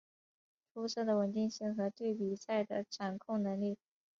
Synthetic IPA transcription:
t̪ʰu˧˥sɤ˥˩d̪ə˩wə˨˩nt̪i˥˧ŋɕi˥˩ŋxɤ˧˥t̪we˥˩ɪpi˨˩sa˥˩ɪd̪ə˩ʈ͡ʂʰa˨˩nkʰʊ˥˩ŋnɤ˧˥ŋli˥˩

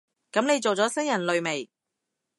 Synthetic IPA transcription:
kɐ˨˥mne˨˧jt͡ʃo˨wt͡sɔː˨˥sɐ˥ŋjɐ˨˩nlɵ˨˧ɥme˨˩j

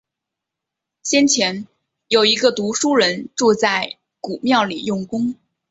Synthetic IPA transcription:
ɕjɛ˥nt͡ɕʰjɛ˧˥n | jo˨˩ʊi˧˥ɡə˧t̪u˧˥ʂu˥ɻə˧˥nʈ͡ʂu˥˧t͡sa˥˩ɪ | ku˨˩mjɑ˥˩ʊli˨˩jʊ˥˩ŋkʊ˥ŋ

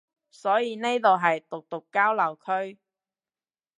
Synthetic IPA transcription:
sɔː˨˥jiː˨˧ne˥jt̪o˨wɦɐ˨jt̪ʊ˨k̚t̪ʊ˨kːaː˥wlɐ˨˩wkʰɵ˥ɥ

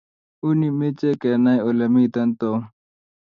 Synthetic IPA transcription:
u˦ni˨me˦t͡ɕe˦ke˨na˦jo˨lɐmi˦t̪ɐ˦nt̪o˨

